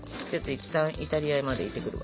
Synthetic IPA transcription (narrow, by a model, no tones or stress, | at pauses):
ot̪ːoit̪ːãɰ̃ʔit̪aɾʲiaemad̪e̞it̪ːe̞kɯ̟ɾɯ̟βa